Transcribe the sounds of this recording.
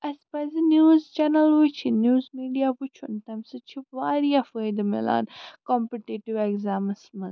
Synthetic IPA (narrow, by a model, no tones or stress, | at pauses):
ɐspɐzinjuːzt͡ʃɐnɐlut͡ʃʰinjuːzmiːɖijaput͡ʃʰunt̪ɐmsɨt͡ʃʰiʋaːɾijafəjd̪ɐmḭla̰ːnkɔmpiʈiʈiʋeɡzaːmɐsmɐ